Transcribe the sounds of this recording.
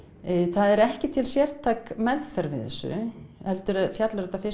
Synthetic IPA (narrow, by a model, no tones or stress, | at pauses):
θaðɛɾɛhcɪt̪ʰɪlsjɛɾ̥t̪ʰaːkmɛðfɛɾvɪðθɛ̰sːʏ̰hɛlt̪ʏɾɛfjat̪laɾɛt̪ːafɪ